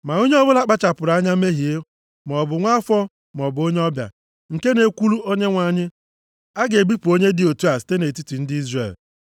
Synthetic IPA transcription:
ma˨o˦ɲe˦ɔ˦bʊ˦la˦k͡pa˦t͡ʃa˨pʊ˨ɾa˦ɲa˦me˦ɦi˨e˦ | m˨ɔ˨bʊ˨ŋʷa˦fɔ˦ | m˨ɔ˨bʊ˨˦o˦ɲe˦ɔ˦bja̰˨ | ŋ̩˨ke˦ne˨kʷu˦lu˦o˦ɲe˦ŋʷa˨ɲɪ˦ | a˦ɡe˨ɡ͡bi˦pu˨o˦ɲe˦dɪ˨o˨tu˦a˨sɪ̥˨te˦ne˨ti˦ti˨n̩˦dɪ˦i˦zre˨l

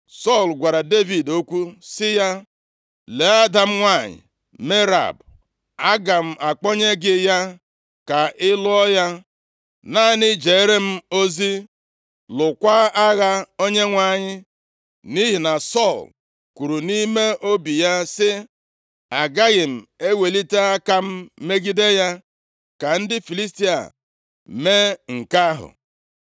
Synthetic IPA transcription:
sɔ˦˨lɡʷa˨ɾa˨de˦vi˨do˦kʷu˦sɪ˦ja˦ | le˨a˦da˨m̩˦ŋʷa˦˨ɲɪ̰˨ | me˦ɾa̰˨b | a˦ɡa˨m̩˦ʔa˨k͡pɔ˦ɲe˦ɡɪ˦ja˦ | ka˨ɪ˦lʊ˦ɔ˦ja˦ | na˦nɪ˦d͡ʒe˨e˦ɾe˦m̩˦o˦zi˦ | lʊ˨kʷa˦a˦ɣa˦o˦ɲe˦ŋʷa˦˨ɲɪ˦ | ni˦ɦi˨na˨sɔ˦˨l | ku˨ɾu˨ni˦me˦ʔo˦bi˨ja˦sɪ˦ | a˨ɡa˦ɣɪ˨m̩˨e˦we˨li˦te˦a˦ka˦m̩˦me˦ɡi˦de˦ja˦ | ka˨n̩˦dɪ˦fi˨li˦sti˦a̰˨ | me˦ŋ̩˨ka˦ɦʊ̰˨

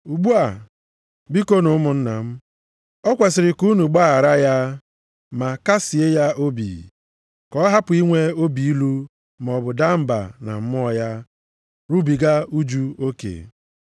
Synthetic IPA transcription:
u˨ɡ͡bu˦a˨ | bi˦ko˦no˨˦mʊ˨n̩˦na˨m̩˦ | ɔ˦kʷa˨sɪ˨ɾɪ˨ku˦nu˨ɡ͡ba˦a˨ɾa˦ja˦ | ma˨ka˦si˨e˦ja˦o˦bḭ˨ | kɔ˦ɦa˦pʊ˨i˦ŋʷe˦o˦bi˨i˦lu˦ | m˨ɔ˨bʊ˨da˦m̩˦ba̰˨na̰˨m̩˨m˦˨ja˦ | ɾu˦bi˨ɡa˦u˦d͡ʒu˦o˦kḛ˨

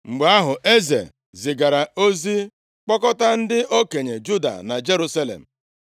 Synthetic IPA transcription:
ŋ͡m̩˨ɡ͡ba˦ɦʊ˨ʔe˦zḛ˨ | zɪ˨ɡa˨ɾa˨o˦zi˦ | k͡pɔ˦kɔ˦ta˦n̩˦dɪ˦ʔo˦ke˨ɲe˨d͡ʒu˦da̰˨na˨d͡ʒe˦ɾu˦sa˦lḛ˨m̩˨

